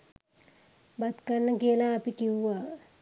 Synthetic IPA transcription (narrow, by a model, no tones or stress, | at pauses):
bɐd̪kɐɾnəkelaːpikiwʋa